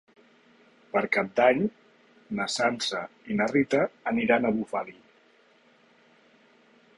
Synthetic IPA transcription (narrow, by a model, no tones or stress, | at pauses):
pəɾkap̚d̪aɲ | nəsansəinərit̪əːniɾanəβufali